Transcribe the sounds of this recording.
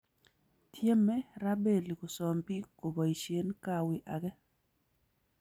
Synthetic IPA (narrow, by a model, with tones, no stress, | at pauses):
tʰje˦mɛ˦ɾa˦be˦˨li˨ko˨sɔ˨mpi˦ko˨bɔ˨i˨ʃe˦nka˦wɪ˦ʔa˨ɡɛ˦